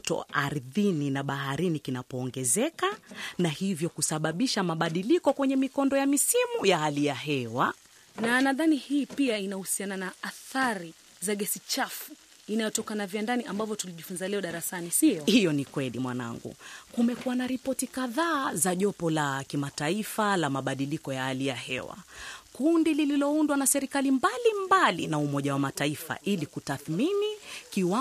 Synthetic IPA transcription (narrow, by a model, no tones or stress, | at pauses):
tɔ̰aɾðininaɓaɦaɾinikinapɔːŋɡɛzɛkanahivjɔkusaɓaɓiʃamaɓaɗilikɔkwɛɲɛmikɔndɔjamisimujahalijaɦɛwa | nanaðanihiːpiainahusiananaːθaɾi | zaɠɛsit͡ʃafu̥ | inajɔtɔkanavjandaniʔambavjɔtuliʄifunzalɛɔɗaɾasanishijɔnikwɛlḭmwana̰ŋɡṵkumɛkuwanaɾipɔtikaðaːzaʄɔpɔlakimataifalamaɓaɗilikɔjaalijahɛ̰wa̰kundilililɔundwanasɛɾikalimbalimbalinaumɔʄawamataifa̰ʔilikutaθminikiwa